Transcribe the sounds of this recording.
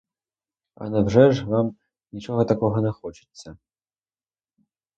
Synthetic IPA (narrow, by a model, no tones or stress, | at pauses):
ɐ̰nɐbʐɛʐvam | nʲit͡ʃɔɣɐt̪akɔɣɐnʲɛxɔt͡ʃɨ̥t̪sːɐ